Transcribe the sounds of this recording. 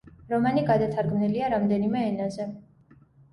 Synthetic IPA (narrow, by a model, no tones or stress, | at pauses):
ɾɔmaniɡad̪at̪ʰaɾɡmniliaɾamd̪ɛnimɛːnazɛ